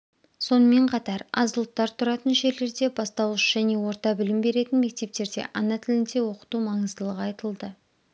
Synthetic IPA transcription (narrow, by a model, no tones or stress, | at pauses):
so̞nəme̞ɴqʰɑt̪ɑɾɑ̰zəlˠt̪ːɑɾt̪ʰʊɾɑt̪ənʒe̞ɾle̞ɾd̪e̞bɑst̪ɑwəʃʒ̥æne̞wo̞ɾt̪ɑbɪlɪmbe̞ɾe̞t̪ɪnme̞k̚t̪e̞p̚t̪e̞ɾd̪e̞̰ʔɑnɑt̪ʰɪlɪnt̪e̞wo̞qə̥t̪umɑɴəzd̪əlˠəʁɑjt̪əlˠd̪ə